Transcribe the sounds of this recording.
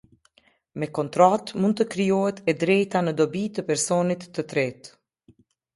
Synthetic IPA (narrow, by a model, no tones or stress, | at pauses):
mɛkɔnt̪ɾat̪munt̪əkɾijɔɦɛt̪ɛd̪ɾɛjt̪anəd̪ɔbit̪əpɛɾsɔnit̪ːət̪ɾɛt̪